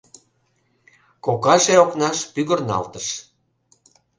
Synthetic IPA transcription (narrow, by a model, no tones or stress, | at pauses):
kokɑʃeoknɑʃpyɣə̆rnɑ̰lt̪əʃ